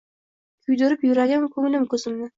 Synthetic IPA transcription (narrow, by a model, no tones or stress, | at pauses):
kʰʊjd̪ʊɾɪpjʊɾaɡʲankʰɵŋlɪmkʲʰɵzɪmnɪ